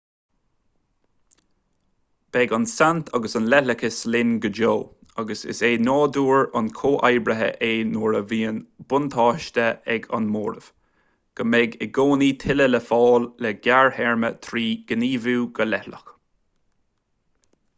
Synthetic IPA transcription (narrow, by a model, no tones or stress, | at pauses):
b̥ɛɡansant̪ʰaɡəsɑnlɛhləkəslɪnɡəd͡ʒoː | aɡəsɪ̰seːnɑːd̪uːɹankʰoːʔajbɾəɦə̰ʔeːnoːɹəviːənb̥ʊnt̪ʰɑːʃt̪əɛɡa̰nmoːɾəv̥ | ɡ̥əmɛɡəɡoːniːt̪ʰɪlələfɑːlːɛɡaɹhɛɹmə̰t̪ʰɾiːɡ̥əniːvuːɡəlɛhlə̰x